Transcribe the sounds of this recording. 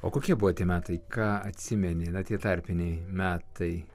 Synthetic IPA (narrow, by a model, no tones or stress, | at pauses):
o̰ːkoːkʲiɛbʊʋot̪ʲiɛmʲæːt̪ɐɪkɑːɐt̪ʲsʲɪmʲɛnʲɪnɐt̪ʲiɛt̪ɑˑɾʲpʲɪnʲɛɪmʲæːt̪ɐɪ